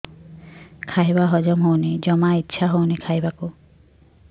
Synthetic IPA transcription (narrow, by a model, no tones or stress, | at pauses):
kʰajbaɦɔd͡ʒɔmɦownid͡ʒɔmaitːʃʰaɦownikʰajbaku